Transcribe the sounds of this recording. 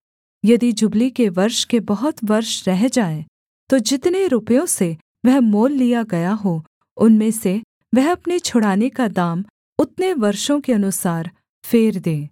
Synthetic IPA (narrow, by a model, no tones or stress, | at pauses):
jɐd̪id͡ʒʊblikeʋɐɾʃkebɐɦʊt̪ʋɐɾʃɾɛɦd͡ʒaːe | t̪od͡ʒɪt̪neɾʊpjõse | ʋɛɦmoːlːijaɡɐjaɦo | ʊnmẽse | ʋɛɦɐpnet͡ʃʰʊɽaːnekad̪aːm | ʊt̪neʋɐɾʃõkeɐnʊsaːɾ | feːɾd̪ẽː